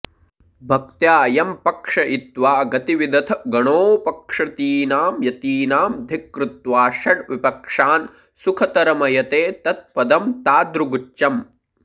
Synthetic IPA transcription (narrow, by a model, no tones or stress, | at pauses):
bʱɐk̚t̪jaːjɐmpɐkʂɐʔit̪ʋaːɡɐt̪iʋid̪ɐt̪ʰɐɡɐɳoːpɐkʂɐt̪iːnaːmjɐt̪iːnaːmd̪ʱikɾut̪ʋaːʃɐɖʋipɐkʂaːn | sukʰɐt̪ɐɾɐmɐjɐt̪eːt̪ɐt̪̚pɐd̪ɐmt̪aːd̪ɾuɡut͡ʃːɐm